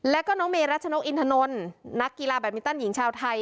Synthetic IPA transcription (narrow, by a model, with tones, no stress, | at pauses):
lɛ˦˥kɔː˥˩nɔː˦˥ŋmeː˧ɾa˦˥t̪̚t͡ɕʰa˧no˦˥k̚ʔi˧nt̪ʰa˧no˧nːa˦˥kːi˧laː˧bɛː˨˩p̚mi˧nt̪a˥˩nji˩˦ŋt͡ɕʰaː˧wt̪ʰa˧j